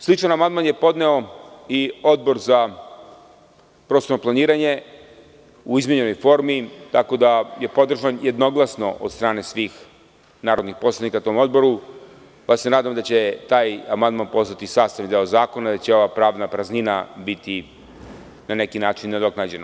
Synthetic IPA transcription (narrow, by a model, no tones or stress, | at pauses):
slˠit͡ʃanamand̪manje̞po̞d̪ne̞o̞io̞d̪̚bo̞ɾza | pɾoːst̪oɾnoplˠaniːɾaɲe̞ | uizmʲeɲeno̞jfo̞ːɾmit̪ako̞d̪aje̞po̞d̪r̩ʒanjed̪no̞ɡlˠasno̞ʔod̪st̪ɾaːne̞sʋiːx | naːɾod̪nixpo̞slˠanikat̪o̞mo̞d̪̚bo̞ɾu | pase̞naːd̪amd̪at͡ɕe̞t̪aːjamand̪manpo̞sat̪isaːst̪aʋid̪e̞ozaːko̞nad̪at͡ɕe̞o̞ʋapɾaːʋnapɾaznina̰bit̪i | nane̞kinaːt͡ʃinːed̪o̞knad͡ʑena